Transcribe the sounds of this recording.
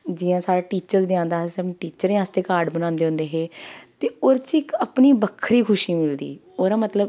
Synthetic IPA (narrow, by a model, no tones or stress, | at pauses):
d͡ʒɪːãːsaːɾaːʈiːt͡ʃəɾzlɪãːnd̪aːɦesɛʈiːt͡ʃəɾẽːaːst̪eːkaːɾɖbənãːnd̪eːɦʊ̃nd̪eːɦeːt̪eːoːɾt͡ʃɪkəpniːbəkʰːɾiːkʰʊʃiːmɪld̪ḭː | oːɾaːmət̪ləb